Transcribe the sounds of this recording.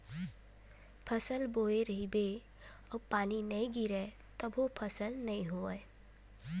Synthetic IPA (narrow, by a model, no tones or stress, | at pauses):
pʰəsəlboeɾəɦibeɔːpaːninɐĩɡiɾɛt̪əbʱopʰəsəlnɐĩɦoə